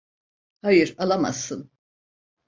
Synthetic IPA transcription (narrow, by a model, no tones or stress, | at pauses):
hajɯɾalˠama̰sːɯn